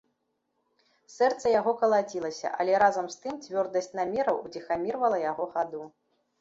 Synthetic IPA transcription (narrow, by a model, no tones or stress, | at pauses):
sɛrt̪sɐjaɣɔkɐlˠad͡zʲilˠɐsʲɐ̰ʔɐ̰lʲɛɾazɐmst̪ɨmt͡sʲvʲɔrd̪ɐsʲt͡sʲnamʲɛɾɐwud͡zʲixamʲirvɐlˠɐjaɣɔxad̪u